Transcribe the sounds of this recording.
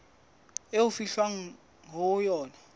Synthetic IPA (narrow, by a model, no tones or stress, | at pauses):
ewufiɬwaŋ | ŋʱɔjɔːna